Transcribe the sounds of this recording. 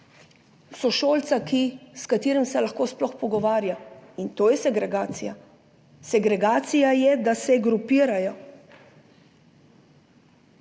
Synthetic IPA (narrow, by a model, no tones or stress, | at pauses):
sɔʃoːlt̪sakiskat̪iːɾɛmsɛlaxkoːsplɔxpɔɡɔʋaːɾjaint̪oːjɛsɛɡɾɛɡaːt̪sija | sɛɡɾɛɡaːt̪sijajɛd̪asɛɡɾupiːɾajɔ